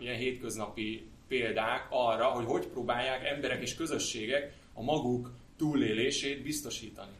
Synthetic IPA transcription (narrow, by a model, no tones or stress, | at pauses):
ijɛnɦeːt̪kø̞znɒpipeːld̪aːkɒrːɒɦo̞cho̞cproːbaːjːaːkɛmbɛɾɛkeːʃkø̞zø̞ʃːeːɡɛk | ɒmɒɡuk | t̪uːlːeːleːʃeːd̪bist̪o̞ʃiːt̪ɒni